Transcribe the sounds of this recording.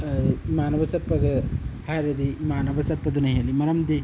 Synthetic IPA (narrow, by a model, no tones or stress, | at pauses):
maːnɐʋɐsɐpːɐɡɐhaːɾɐd̪imaːnɐbɐsɐpːɐd̪unɐɦɐlimɐɾɐmd̪i